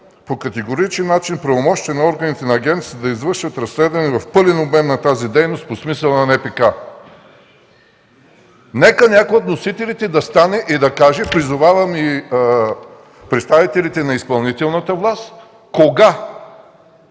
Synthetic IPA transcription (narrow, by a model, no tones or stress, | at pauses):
pokɐt̪ɛɡoɾit͡ʃɛnːat͡ʃinpɾɐvomɔʃt̪iɛnɐɔɾɡɐnit̪ɛnɐːɡɛnt̪si̥əd̪ɐizvɤɾʃvət̪ɾɐslɛd̪vɐnɛvɐfpɤlɛnobmɛmnɐt̪azid̪ɛjnost̪̚posmisəlˠnɐnɛpɛka | nɛkənʲakojot̪nosit̪ɛlʲit̪ɛd̪ɐst̪anɛʔid̪ɐkaʒɛpɾizʊvavɐmi | pɾɛt̪st̪avit̪ɛlit̪ɛnɐispɐlˠnit̪ɛlˠnət̪əvlˠast̪ | koɡa